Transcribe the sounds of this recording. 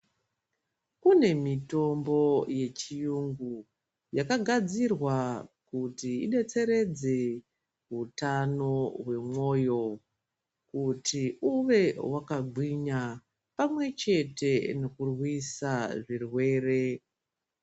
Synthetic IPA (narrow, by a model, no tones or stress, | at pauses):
kune̞mito̞mbo̞je̞t͡ʃijuŋɡu | jakaɡʱad͡zirwakutiːɗe̞t͡se̞ɾe̞d͡ze̞ | ɦutano̞we̞mwo̞jo̞ | kutʰiuʋe̞wakaɡʱwiɲa | pamwe̞t͡ʃe̞te̞no̞kurwisaʐirwe̞ːre